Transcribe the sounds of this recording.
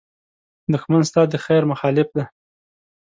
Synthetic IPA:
d̪ʊxmanst̪ɑd̪əxajɾmʊxɑlɪfd̪a

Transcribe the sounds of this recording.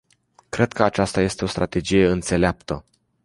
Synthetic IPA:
kɾe̞d̪kʰəat͡ʃast̪aje̞st̪e̞ost̪ɾʔat̪e̞d͡ʒije̞ɨnt̪se̞leap̚t̪ə

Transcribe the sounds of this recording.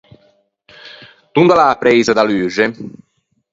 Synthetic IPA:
t̪und̪alaːpɾɛjzad̪alyːʒe

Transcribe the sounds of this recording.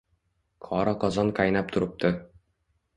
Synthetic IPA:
qʰɒɾɑqɒzɑŋqɑjnɑp̚t̪ʰŏɾɤ̆p̚t̪ʰɤ

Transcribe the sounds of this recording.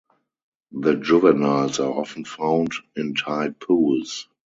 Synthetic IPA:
ðəd͡ʒʊvənalsaʔɔfn̩fãʊ̃ndɪ̃ntʰaɪpʰuːls

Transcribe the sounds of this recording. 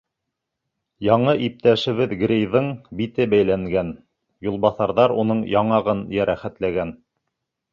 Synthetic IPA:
jɑɴɤʔip̚t̪æʃɘ̆βɘðɡɾʲejðɤɴbit̪ɘbæjlæŋɡæn | julˠbɑθɑɾðɑɾunɤɴjɑɴɑʁɤnjæɾʔæχæt̪læɡæn

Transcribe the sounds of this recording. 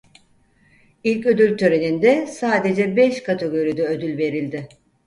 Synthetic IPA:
ilʲcø̞d̪ylʲt̪ʰøɾe̞nind̪ɛsaːd̪e̞d͡ʒɛbɛʃkʰat̪ʰeɡo̞ɾid̪ɛød̪ylʲve̞ɾilʲd̪ɪ

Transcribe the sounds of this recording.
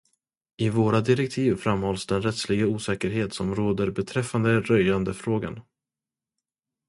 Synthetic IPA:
ɪvoːɾad̪ɪɾɛk̚t̪ʰiːvfɾamhɔlsd̪ɛnɾɛt̪slɪɡauːsɛːkəɾɦeːt̪sɔmɾoːd̪əɾbɛt̪ʰɾɛfːand̪əɾœjand̪əfɾoːɡa̰n

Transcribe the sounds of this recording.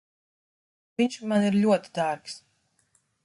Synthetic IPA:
viɲʲʃmaniɾʎʲuɔt̪i̥d̪aɾks

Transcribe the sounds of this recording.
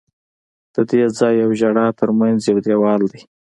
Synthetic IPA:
d̪̥əd̪ed͡zɑjːawʒaɽɑt̪ʰəɾmanzjawd̪ewɑld̪i

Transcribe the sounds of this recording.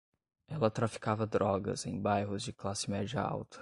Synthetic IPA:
ɛlɐt̪ɾafi̥kavɐd̪ɾɔɡɐ̰zḛ̃j̃bajɦʊzd͡ʒɪklasɪmɛd͡ʒiɐ̰a̰wt̪ʰɐ̥

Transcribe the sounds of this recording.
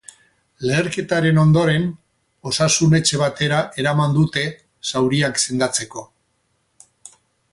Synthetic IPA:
le̞ːɾke̞t̪aɾe̞no̞nd̪o̞ɾe̞n | o̞sasune̞t͡ʃe̞β̞at̪e̞ɾaʔe̞ɾamand̪ut̪e̞ | sawɾiakse̞nd̪at͡se̞ko̞

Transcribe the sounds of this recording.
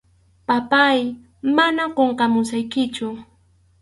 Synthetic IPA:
papaj | manaqoɴqɑmʊsajkɪt͡ʃʊ

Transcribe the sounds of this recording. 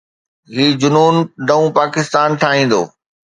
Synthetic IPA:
ɦiːd͡ʑʊnuːnɖɐ̃ũpaːkɪst̪aːnʈʰaːɦĩːn̆d̪o̰ː

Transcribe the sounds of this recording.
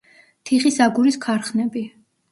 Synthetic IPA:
t̪ʰiχisaɡuɾiskʰaɾχnɛbi

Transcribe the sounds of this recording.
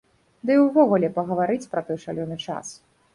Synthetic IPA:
d̪ɨwvɔɣulʲɛpɐɣɐvaɾɨt͡sʲpɾɐt̪ɔjʂa̰lʲɔnɨt͡ʂa̰s

